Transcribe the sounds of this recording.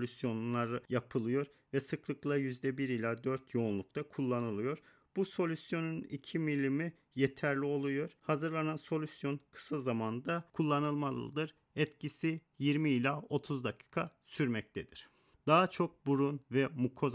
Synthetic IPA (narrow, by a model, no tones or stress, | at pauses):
lʲysjo̞nlˠaɾɯjapʰɯlˠɯjo̞ɾ | vɛsɯklˠɯklˠajyzd̪ɛbiɾilʲaːd̪ø̞ɾt̪ʰjo̞unlˠuk̚t̪ʰakʰulˠːanɯlˠɯjo̞ɾ | b̥uso̞lʲysjo̞nunicʰimilʲːimi | jet̪ʰæɾlʲio̞lˠujo̞ɾ̥hazɯɾlˠananso̞lʲysjo̞nkʰɯ̥sazamand̪akʰulˠːanɯlˠmalˠɯ̰d̪ɯɾ | ɛt̪cisi | jiɾmiilʲao̞t̪ʰuzd̪akʰi̥ːkʰasyɾmɛc̚t̪ʰɛd̪̥iɾ̥ | d̪̥aɦat͡ʃʰo̞k̚buɾunvɛmukʰo̞z